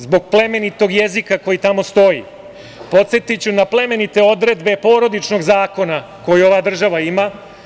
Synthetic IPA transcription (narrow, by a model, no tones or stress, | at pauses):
zbo̞ɡ̚ple̞me̞nit̪o̞ɡje̞zikako̞jit̪amo̞st̪o̞jḭ | po̞t̪se̞t̪it͡ɕunaple̞me̞nit̪e̞o̞d̪ɾe̞d̪be̞po̞ːɾo̞d̪it͡ʃno̞ɡzaːko̞na | ko̞jio̞ʋad̪r̩ʒaʋaima